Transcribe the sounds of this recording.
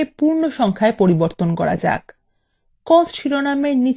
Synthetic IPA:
epuɾnoʃɔŋkʰaepoɾiboɾt̪onkɔɾa̰d͡ʑa̰k | kɔsʃiɾonameɾni

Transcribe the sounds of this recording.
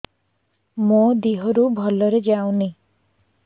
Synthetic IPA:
mod̪iɦɔɾubʱɔlɔɾed͡ʒaw̃ni

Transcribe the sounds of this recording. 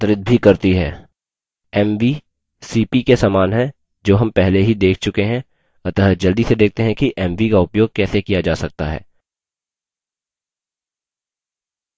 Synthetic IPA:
t̪ɾɪt̪̚bʱikɐɾt̪iɦɛː | ɛmʋi | siːpikesaːmaːnɦɛ̃ | d͡ʒoːɦɐ̃mpɛɦleɦid̪eːkʰt͡ʃʊkeɦɛ̃ | ɐt̪əɦəd͡ʒɐld̪ised̪eːk̚ʰt̪eɦɛ̃kiʔɛmʋikaʊpjoːɡ̚kɛːsekijad͡ʒaːsɐk̚t̪aɦɛ̰ː

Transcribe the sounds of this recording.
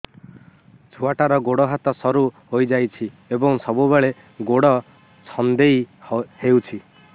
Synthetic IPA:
d͡ʒʰʱuaʈaɾɔɡoɽɔɦat̪ɔsɔɾuhojd͡ʒajt͡ʃʰi | ebɔŋsɔbubeɭe | ɡoɽɔ | t͡ʃʰɔnd̪ejhewt͡ʃʰi

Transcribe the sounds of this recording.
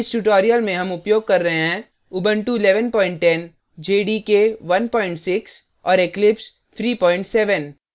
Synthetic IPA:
ɪsʈuʈɔːɾijəlmẽɦɐmʊpjoːɡ̚kɐɾːɐɦeɦɛ̃ː | ʊbə̃ɳʈuɪlɛːʋənpɔːɪ̃ɳʈːɛn | d͡ʒeːɖikeʋɐnpɔːɪ̃ɳʈsɪks | ɔːɾeklɪps | t̪ʰɾiːpɔːɪ̃ɳʈsɛːʋən

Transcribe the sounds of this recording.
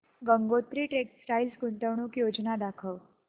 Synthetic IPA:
ɡəŋɡot̪ɾiːʈeksʈajlsɡunt̪əʋɳuːkjod͡znad̪akʰəʋ

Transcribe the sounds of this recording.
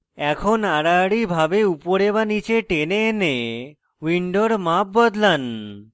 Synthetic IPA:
ɛkʰonaɽaɽibʱabeupoɾebanit͡ɕeʈeneːne | wiɳɖoɾmap̚bɔd̪lan

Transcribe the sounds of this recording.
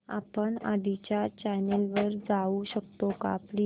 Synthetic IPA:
a̰pəɳad̪it͡ɕjat͡ɕɛnelʋəɾd͡zauɕək̚t̪oka̰pɽi

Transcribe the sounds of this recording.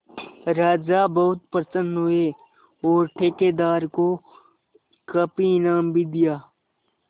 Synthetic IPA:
ɾaːd͡ʒabɐɦʊt̪pəɾsə̃nd̪ɦʊe | ɔːɾʈʰeːkeːd̪aːɾko | kɐpinaːmbʱid̪ɪjaː

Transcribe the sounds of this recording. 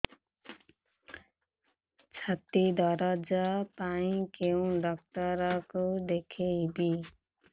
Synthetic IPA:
t͡sʰʌt̪id̪ʱʌɾʌd͡zʌpaĩkew̃ɖʌk̚tʌɾʌkud̪ekʰejbi

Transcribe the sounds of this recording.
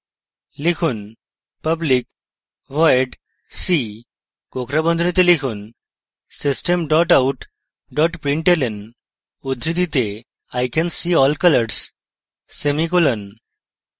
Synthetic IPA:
likʰuːn | pəblik̚ | ʋɔjɖ | si | kokɾabə̃nd̪ʱunit̪elikʰuːn | sisʈəmɖɔʈauʈ | ɖɔʈpɾiɳʈelen | ud̪ʱɾid̪it̪e | ajkɛnsiɔlkələɾɾsː | emikolən

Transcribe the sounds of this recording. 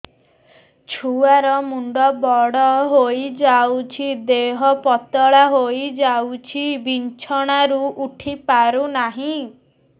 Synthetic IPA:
t͡ʃʰuaɾɔmuɳɖɔbɔɽɔɦojd͡ʒawt͡ʃʰid̪eɦɔpɔt̪ɔɭaɦojd͡ʒawt͡ʃʰibint͡ʃʰɔɽ̃aɾuʔuʈʰipaɾunaɦĩ

